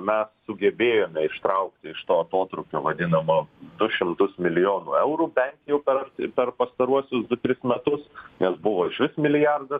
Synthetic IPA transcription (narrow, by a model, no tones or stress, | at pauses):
mʲɛsːʊɡʲɛbʲeːjoːmʲɛɪʃt̪ɾɐʊkt̪ʲɪɪʃt̪oːɐt̪oːt̪ɾʊkʲoːʋɐd̪ʲɪnɐmɐd̪ʊʃʲɪmt̪ʊsmʲɪlʲɪjoːnṵɛʊɾuːbʲɛnʲkʲjɛʊpʲɛrʲpʲɛrpɐst̪ɐɾuɔsʲʊsd̪ʊt̪ʲɾʲɪsmʲɛt̪ʊsnʲɛsbʊʋoːɪʃʲʋʲɪsmʲɪlʲɪjɑrd̪ɐ